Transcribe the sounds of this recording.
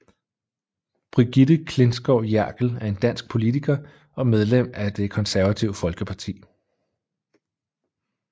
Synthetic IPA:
b̥ʁiɡ̥id̥əkʰle̝nsɡ̥ɒʊ̰jæɐ̰ɡ̥l̩æɐe̝nd̥æn̰sɡ̥̚pʰo̝lit͡sʰiɡ̥ɐ | ɒ̽með̞ˠlem̰æd̥e̝kʰɒ̽nsæɐʋæt͡sʰiʊ̰fɒ̽lɡ̥əpʰɑ̈t͡sʰḭː

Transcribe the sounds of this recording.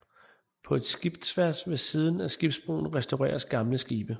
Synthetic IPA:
pʰɒ̽e̝d̥sɡ̥ib̥d̥sʰʋæɐsʋe̝siːð̞ˠn̩æsɡ̥ib̥sb̥ʁo̝̰ːn̩ʁɛsd̥ɑʊʁɛ̰ːɐsɡ̥ɑ̈mləsɡ̥iːb̥ə

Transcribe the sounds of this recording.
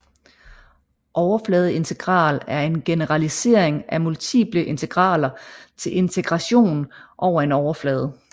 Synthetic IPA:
ʔɒʊɐflɛːð̞̩ˠe̝nt͡sʰe̝ɡ̥ʁɑ̰̈ːlæɐe̝nɡ̥e̝nəʁɑlise̝ɐ̰eŋæmult͡sʰḭːb̥ləʔe̝nt͡sʰe̝ɡ̥ʁɑ̰̈ːlɐt͡sʰe̝le̝nt͡sʰeɡ̥ʁɑ̈ɕo̝̰ːn̩ʔɒʊɐe̝nɒʊɐflɛːð̞ˠ

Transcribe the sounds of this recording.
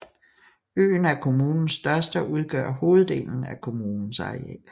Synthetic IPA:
ø̰ːn̩æɐkʰo̝muːnn̩sːd̥ɶɐsd̥əʔuð̞ˠɡ̥œɐ̰ho̝ːð̞̩ˠd̥e̝̰ːln̩ækʰo̝muːnn̩sɑ̰̈ʁiɛ̰ː

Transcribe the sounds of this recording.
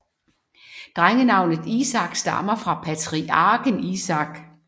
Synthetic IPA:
d̥ʁaŋənɑ̈ʊ̰nð̩ˠisɑ̈ɡ̥sd̥ɑ̈mɐfʁɑ̈pʰæt͡sʰʁiɑːɡ̥əmisɑ̈ɡ̥

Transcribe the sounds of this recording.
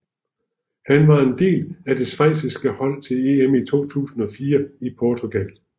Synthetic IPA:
hænʋɑ̈e̝nd̥e̝̰ːlæd̥e̝sʋɑɪ̰sisɡ̥əhɒ̽l̰t͡sʰe̝le̝emit͡sʰo̝̰ːt͡sʰṵːsn̩ɒ̽fiːɐipʰɒt͡sʰoɡ̥æl

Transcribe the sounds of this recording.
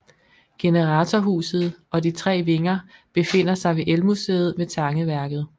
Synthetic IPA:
ɡ̥e̝nəʁɑ̈t͡sʰɒɦṵːsð̞̩ˠɒ̽dit͡sʰʁɛ̰ːʋe̝ŋɐb̥e̝fe̝n̰ɐsɑ̈ɪʋe̝ʔelmuseːð̞̩ˠmet͡sʰɑ̈ŋəʋæɐɡ̥ð̞̩ˠ

